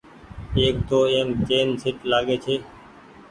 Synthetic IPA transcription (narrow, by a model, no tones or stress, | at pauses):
eːk̚t̪oːeːmt͡ʃeːnsɪʈlaːɠeːt͡ʃʰeː